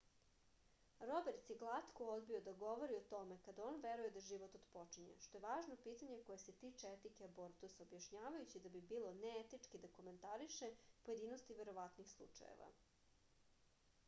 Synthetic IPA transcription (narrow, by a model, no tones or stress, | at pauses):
ɾo̞beɾt̪jeɡlˠat̪kood̪bio̞d̪aɡo̞ʋo̞ɾiot̪o̞me̞kad̪ao̞ːnʋe̞ɾuje̞d̪aʒiʋot̪od̪po̞t͡ʂiɲḛʃt̪o̞je̞ʋaːʒno̞piːt̪aɲe̞ko̞jese̞t̪iːt͡ʂeet̪ikeaboɾt̪usaobjaʃɲaːʋajut͡ɕid̪abibiːlˠo̞neet̪it͡ʂkid̪ako̞me̞nt̪aɾiʃepoje̞d̪iːnost̪iʋe̞ɾo̞ʋat̪nixslˠṵt͡ʂa̰jḛʋa̰